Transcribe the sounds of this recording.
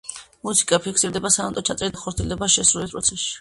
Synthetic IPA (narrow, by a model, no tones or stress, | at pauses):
musi̥kʼapʰikʰsiɾd̪ɛbasaamt̪ʼɔt͡ʃʰat̪sʼɛɾid̪aχʰɔɾt̪ʰiɛld̪ɛbaʃɛsɾulispɾɔ̰t̪sʰɛsʃi̥